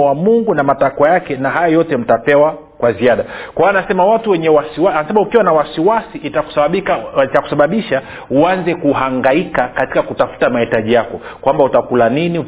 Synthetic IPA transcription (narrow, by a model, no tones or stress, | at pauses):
wamuŋɡunamatakwajakɛnaɦajɔjɔtɛm̩tapɛwa | kwaziaɗakwawaanasɛmawatuwɛɲɛwasiwaanasɛmaukiwanawasiwasiʔitaku̥siit͡ʃaku̥saɓaɓiʃa | uanzɛkuhaŋɡaikakati̥kakutafu̥tamahitaʄijakɔ | kwambautakulaniniu